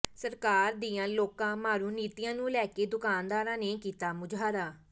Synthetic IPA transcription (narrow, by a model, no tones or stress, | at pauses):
səɾkaːɾd̪iːãːloːkãːmaːɾuːniːt̪iːãːnũːlɛːkeːd̪ʊkaːnd̪aːɾãːneːkiːt̪aːmʊd͡ʒʱaːɾaː